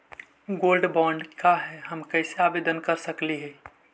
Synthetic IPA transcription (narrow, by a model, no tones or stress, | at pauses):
ɡoːlɖbɔ̃ːɳɖkaɦɛɦəmkɛɪseaːʋeːd̪ənkəɾsəkliɦɛː